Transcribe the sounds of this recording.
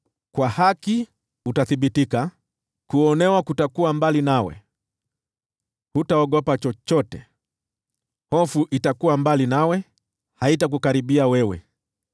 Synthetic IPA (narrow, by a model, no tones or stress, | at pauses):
kwahaki | utaθiɓitika | kuɔnɛwakutakuambalinawɛ̰ | hutaɔɡɔpat͡ʃɔt͡ʃɔtɛ̰ | hɔfuʔitakuwambalinawɛ | haitak̬ukaɾiɓiawɛwɛ̰